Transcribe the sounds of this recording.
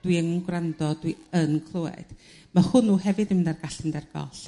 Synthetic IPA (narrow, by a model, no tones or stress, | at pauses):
d̥wiəŋnɡwrandɔd̥wiənkʰlˠʊɛ̰d̥ | mahʊnuːɦɛvɨdɪmnarɡaɬəndɛrɡ̥ɔ̰ɬ